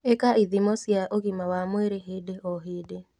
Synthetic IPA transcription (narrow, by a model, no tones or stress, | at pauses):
ekaʔiðimɔsjaʔoɣimawamweɾeɦedeʔɔɦede